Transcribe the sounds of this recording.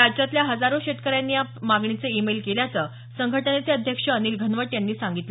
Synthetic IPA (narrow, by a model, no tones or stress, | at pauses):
ad͡ʑat̪ljaɦəd͡zaɾoɕet̪kəɾjanːiːjamaɡɳit͡səimelkeljat͡sə | səŋɡʱəʈənet͡seəd̪ʱjəkʂəːniːlɡʱənʋəʈːjanːiːsaŋɡit̪lə